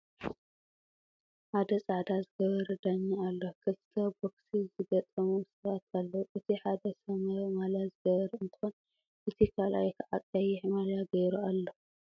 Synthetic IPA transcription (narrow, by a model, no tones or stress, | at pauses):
ħad̪ɐsʼaʕd̪azɨɡɐβɐɾd̪aɲːaalːokʰɨlt̪ʰɐboksizɨɡɐt̪ʼɐmusɨðat̪ʰalːoʔɨt̪ʰiħad̪ɐsɐmɐmalazɨɡɐβɐɾɨnt̪ʰɨxon | ʔɨt̪ʰikʰalʔa̰jkʰɨʕakʼɐjɪħmaljaɡɐjɾualːo